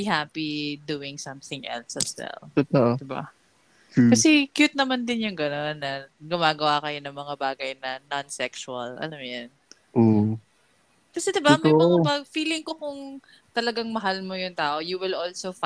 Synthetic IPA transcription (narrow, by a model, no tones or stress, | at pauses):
bihapid̪uːɪŋsɐmθɪ̃ŋʔɛ̰lsɐswɛ̰lt̪ot̪aʔd̪ɪba̰ | kɐsɛkjut̪̚nɐmand̪ɪnjʊŋɡɐno̞nːɐɡʊmaːɡɐwakɐjo̞nɐŋmɐŋabaːɡɐjnɐnɔnsɛksʊɐlɐ̰lamjɐn | ʔo | kɐsɛd̪ɪbamɐapɐɡfiːlɪŋkokʊŋ | t̪ɐlɐɡaŋmɐɦalmo̞jʊŋt̪aːʔojuwɪlʔolsof